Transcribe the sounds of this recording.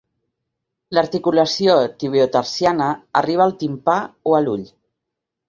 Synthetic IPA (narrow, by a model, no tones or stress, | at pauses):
ləɾt̪ikuləsiot̪iβ̞iut̪əɾsjanəːriβ̞əːlˠt̪impaoəluʎ